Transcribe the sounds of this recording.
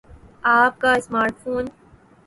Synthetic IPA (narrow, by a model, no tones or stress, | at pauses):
aːp̚kaɪsmaːɾʈfoːn